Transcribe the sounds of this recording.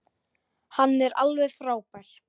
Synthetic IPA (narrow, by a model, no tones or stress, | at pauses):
hanːɛɾa̰lvɛðfɾaːwpaɾ̥